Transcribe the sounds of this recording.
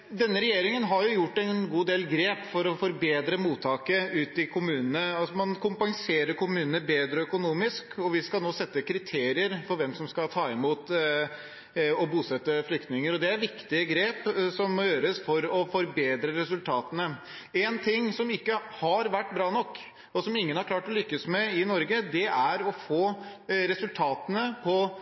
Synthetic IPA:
d̪ɛnːəɾɛjeːɾɪŋənɦɑɾjʊjʊʈːɛnnɡuːd̪eːlɡɾeːpfɔɾɔfɔɾbeːd̪ɾəmuːt̪ʰːɑːkəʉːt̪ɪkʰʊmʉːnənəɑsɔmɑnkʰʊmpɑŋseːɾəɾkʊmʉːnənəbeːd̪ɾəœkʊnuːmɪskɔʋɪskɑlnoːsɛt̪ːəkʰɾɪt̪ʰeːɾɪəɾfɔɾʋɛmsɔmskɑlt̪ʰɑːɪmuːt̪ | ɔbuːsɛt̪ːəflʏkt̪nɪŋəɾɔd̪ɛæɾʋɪkt̪ɪəɡɾeːpsɔmːɔjøːɾəsfɔɾɔfɔɾbeːd̪ɾəɾɛsʉlt̪ʰɑːt̪ənə | ɛnt̪ʰɪŋːsɔmɪkːəhɑɾʋæʈːbɾɑːnɔkː | ɔsɔmɪŋːənhɑɾkʰlɑːʈɔlʏkːəsmɛɪnɔɾɡəd̪ɛʔæɾɔfoː | ɾɛsʉlt̪ʰɑːt̪ənəpʰɔ

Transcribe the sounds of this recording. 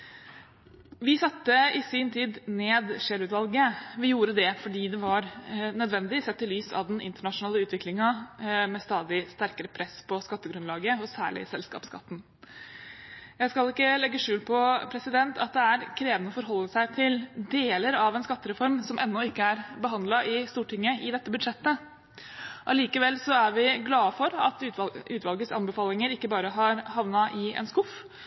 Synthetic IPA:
ʋɪsɑt̪ːəɪsɪnt̪ʰiːd̪neːd̪ʂeːlʉːt̪ʋɑlɡəʋɪjuːɾəd̪ɛfɔɖiːd̪ɛʋɑɾnœd̪ʋɛnd̪ɪsɛt̪ːəlyːsɑ̰ʋd̪ɛnʔɪ̰nt̪əɳɑʂʊnɑːləʉːt̪ʰʋɪklɪŋɑmɛst̪ɑːd̪ɪst̪æɾkəɾəpʰɾɛspʰɔskɑt̪ːəɡɾʉnlɑːɡəɔsæ̰ːɭɪ̰sɛlskɑ̰ːpskɑ̰t̪ːn̩ | jæɪskɑlɪkːəlɛɡːəʂʉːlpʰɔpʰɾɛsɪd̪ɛnt̪ʰɑt̪̚d̪ɛæɾkʰɾeːʋənəɔfɔɾɦɔlːəsæɪt̪ʰɪld̪eːləɾɑʋɛnskɑt̪ːəɾɛfɔɾmsɔmʔɛnːɔɪkːəæɾbəɦɑnd̪lɑʔɪst̪uːʈʰɪŋːəʔɪd̪ɛt̪ːəbʉd̪ʂɛt̪ːə | ʔɑliːkəʋɛlsɔæɾʋɪɡlɑːfɔɾɑ̰t̪ːʉːt̪ʋɑlɡəsɑ̰nbəfɑːlɪŋəɾɪkːəbɑːɾəɦɑɾhɑʋnɑʔɪɛ̰nskʊf

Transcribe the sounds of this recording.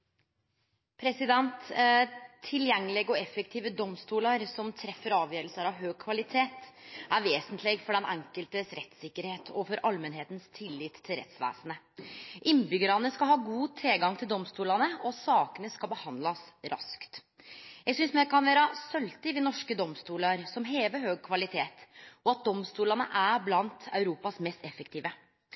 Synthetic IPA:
pʰɾɛsɪd̪ɛnt̪ | t̪ʰːɪljɛŋːəlɪɡɔɛfːəkt̪ʰiːʋəd̪ɔmst̪uːlɑɾsɔmt̪ʰɾɛfːəɾɑːʋjøːɾəlsəɾɑʋɦøːɡ̚kʰʋɑlɪt̪ʰeːt̪æɾʋeːsənt̪ʰlɪɡfɔɖɛnʔɛŋkəlt̪əsɾɛt̪sɪkːəɾheːt̪ʰɔfɔɾʔɑlmɛnɦeːt̪nst̪ʰɪlːɪːt̪ʰːɪlɾɛ̰t̪sʋæ̰ːsənə | ʔɪnːbʏɡəɾɑnəskɑɦɑːɡuːt̪ʰɾeːɡɑŋt̪ʰɪld̪ɔmst̪uːlɑnəɔsɑːkənəskɑlbəhɑnd̪lɑsɾɑ̰skt̪ | jæɡsʏnsmɛkʰɑnʋæːɾɑsœlt̪ɪʋɪnɔʂkəd̪ɔmst̪uːlɑɾsɔmɦeːʋəɾɦøːɡ̚kʰʋɑlɪt̪ʰeːt̪ɔɑt̪̚d̪ɔmst̪uːlɑnəʔæblɑnt̪œʉɾuːpɑsmɛst̪ɛfəkt̪ʰiːʋə

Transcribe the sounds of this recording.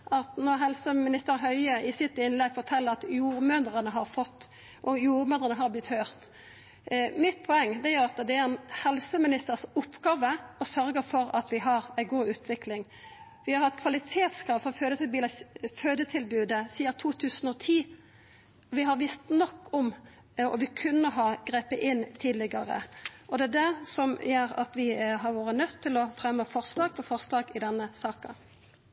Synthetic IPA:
ʔɑt̪nɔɾɦɛlsəmɪnɪst̪əɾɦœʏəʔɪsɪt̪ɪnlɛɡfɔt̪ʰɛlːəɾɑt̪juːɾmœnd̪ɾənəɦɑɾfɔt̪ː | ʔɔjuːɾmønʁənəɦɑɾblɪt̪høːʁt̪ | mɪt̪̚pʰɔɛŋːd̪ɛjʉɾɑt̪d̪ɛæɾɛnhɛlsəmɪnɪst̪əɾsʊpːɡ̥ɑːʋəɔsœɾɡəɾfɔɾɑt̪ʋɪɦɑɾæɪɡuːʉːt̪ʰʋɪklɪŋ | ʋɪhɑɾhɑt̪ːkʰʋɑlɪt̪ʰeːt̪skɾɑːʋfɔʁføːd̪ət̪ʰɪlbyːləføːd̪ət̪ʰɪlbʉːd̪əsiːɑt̪ʰuːt̪ʰʉːsənɔt̪ʰiː | ɔʋɪɦɑɾʋɪst̪nɔkːɔm | ɔ̰ʋɪkʰʉnːəɦɑɡ̥ɾeːpəʔɪnt̪ʰiːd̪lɪɡɑɾə̰ʔɔd̪ɛæd̪æsɔmjeɾɑ̰t̪ʋɪɦɑɾʋoːɾənœt̪ʰːɪlɔfɾɛmːəfɔʁslɑːɡ̚pʰɔfɔʁslɑːɡɪd̪ɛnːəsɑːkə

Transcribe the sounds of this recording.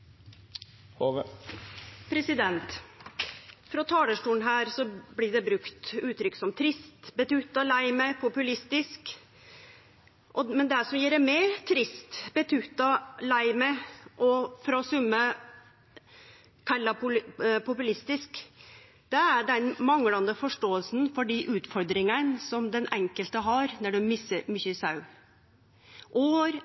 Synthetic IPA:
pʰɾɛsɪd̪ɛnt̪ | fɾɔt̪ʰɑːləʂʈuːn̩ɦæːɾsɔblɪɖɛbɾʉkt̪ʉːt̪ʰɾʏkːsɔmt̪ʰɾɪst̪bət̪ʰʉt̪ɑlæɪmɛpʰʊpʉlɪst̪ɪsk | ʔɔmɛnd̪ɛæsɔmjiːɾɛmɛt̪ʰɾɪst̪b̥ɛt̪ʰʉt̪ɑlæɪmɛʔɔfɾɑsʉmːə | kʰɑlːɑpʊpʰʊpʉlɪst̪ɪsk | d̪̥ɛæɖɛnmɑŋlɑnd̪əfɔʂʈoːəlsnfɔɖiʔʉːt̪fɔɾd̪ɾɪŋənsɔmd̪ɛnʔɛŋkəlt̪əɦɑɾnɔɖʉmɪsəɾmʏçəsɑʉ | ʔoːɾ

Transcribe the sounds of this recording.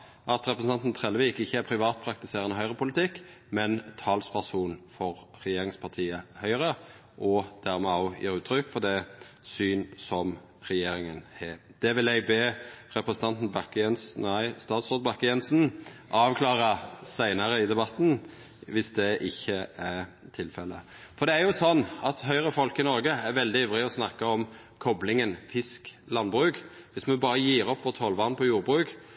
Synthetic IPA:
ʔɑt̪ɾɛpɾəsn̩ɑnt̪n̩t̪ʰʁɛlʋiːkɪçːəæpʰɾɪʋɑːt̪̚pʰɾɑk̚t̪ɪseːʁənəɦœʏʁəpʰʊlɪt̪ɪk | mɛnt̪ʰɑːlspʰæʁsuːnfɔɾɾɛjeːɾɪŋspʰɑt̪ʰiːəhœʏʁə | ʔɔd̪̥æʁmɛɔʊjʔḭːɾʉːt̪ʰɾʏkːfɔʁd̪ɛsyːnsɔm | ʁɛjeːɾɪŋənhed̪̥ɛʋɪlɛɪɡbeːʁɛpɾəsn̩t̪ʰɑnt̪n̩bɑkɛnsæɪst̪ɑːt̪sʁoːd̪̚bɑkːəjɛnsn̩ʔɑːʋkʰlɑːʁəsæɪnəɾəɪd̪ɛbɑt̪ːn̩ | ʋɪsd̪ɛʔɪçːəæɾt̪ʰɪlfɛlːə̰ | fɔɾd̪ɛæɾjʊsɔnːɑt̪ɦœʏɾəfɔlkɪnɔɾɡəæɾʋɛld̪ɪœʋʁɪɔsnɑkːəɔm | kʰɔblɪŋənfɪsk | lɑnbʁʉːk | ʋɪsmɛnbɑːɾəjiːɾɔpʰːʋɔt̪ʰɔlʋɑːʁnpʰɔjuːɾbɾʉːk

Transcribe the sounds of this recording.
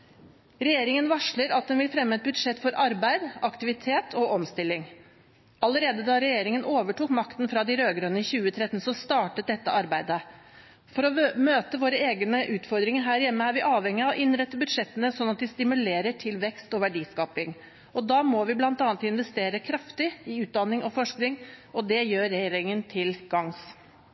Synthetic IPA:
ɾɛjeːɾɪŋənʋɑʂɭəɾɑt̪̚d̪ɛnʋɪlfɾɛmːəɛt̪̚bʉd̪ʂɛt̪ːfɔɾɑɾbæɪd̪ɑkt̪ɪʋɪt̪ʰeːt̪ʰɔʔɔmst̪ɪlːɪŋ | ɑləɾeːd̪əd̪ɑɾɛjeːɾɪŋənʔoːʋəʈuːkmɑkt̪nfɾɑd̪ɪɾøːɡɾənəɪçʉːət̪ʰɾɛt̪ːnsɔst̪ɑːʈət̪̚d̪ɛt̪ːə̰ʔɑɾbæɪd̪ə | fɔɾɔmøːt̪əʋoːɾəeːɡənəʔʉːt̪fɔɾd̪ɾɪŋəɾɦæːɾjɛmːəæɾʋɪʔɑːʋhɛŋːɪɑʋʔɪnɾɛt̪ːəbʉd̪ʂɛt̪ːənəsɔnːɑt̪̚d̪ɪst̪ɪmʉleːɾəʈʰɪlʋɛkst̪ɔʋæɖiːskɑːpɪŋ | ɔd̪ɑːmɔʋɪblɑnt̪ɑːnt̪ɪnʋɛst̪eːɾəkʰɾɑft̪ɪɪʉːt̪̚d̪ɑnːɪŋʔɔfɔʂknɪŋɔd̪ɛjøːɾːɛjeːɾɪŋənt̪ʰɪlɡ̥ɑŋs

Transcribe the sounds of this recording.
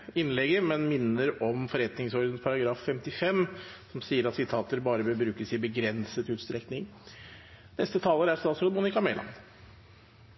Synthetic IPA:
ɪnlɛɡəmɛnmɪnːəɾɔmfɔɾɛt̪nɪŋsɔɾd̪ənspʰɑɾɑɡɾɑːfːɛmt̪ɪfɛmsɔmsiːəɾɑt̪sɪt̪ʰɑːt̪əɾbɑːɾəbəbɾʉːkəsɪbəɡɾɛnsət̪ʉːt̪st̪ɾɛknɪŋ | nɛst̪ət̪ʰɑːləɾæɾst̪ɑːt̪sɾɔd̪mʊnɪkɑmɛlʔɑ̰n

